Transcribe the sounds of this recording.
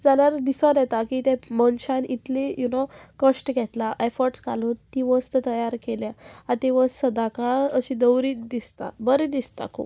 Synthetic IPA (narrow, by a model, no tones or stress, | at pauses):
d͡zanjaɾd̪isɔd̪jɛt̪akit̪ɛ̃mənɕãnit̪lejunokəɕʈɡʱɛt̪laʔɛfɔɾʈska̰lut̪iʋəst̪ət̪əjaɾkeljaãt̪iʋəssəd̪akaɭəɕid̪əwɾiːd̪ist̪a̰bəɾed̪ist̪a̰kʰṵp